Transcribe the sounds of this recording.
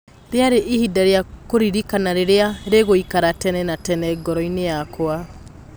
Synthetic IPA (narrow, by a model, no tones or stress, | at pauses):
ɾeaɾeʔihidaɾeakoɾiɾikanaɾeɾeaɾeɣoikaɾatɛnɛnatɛnɛɡɔɾɔinejakwa